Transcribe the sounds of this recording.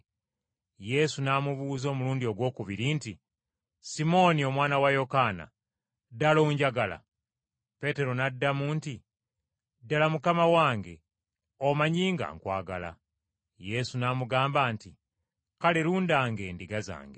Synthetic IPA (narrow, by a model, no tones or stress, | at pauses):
je̞sunamuβuːzo̞ːmuluːndio̞ɡwo̞ːkuβiɾinti | simo̞nio̞mwaːnawajo̞kana̰ | daloːɲɟaɡala̰ | pe̞te̞ɾo̞nadːamunti | dalamukamawaːŋɡe̞̰ | omaɲiːŋɡa̰ːŋkwa̰ːɡala̰ | je̞sunamuɡaːmbaːnti | kaleɾuːndaːŋɡe̞ːndiɡaza̰ːŋɡe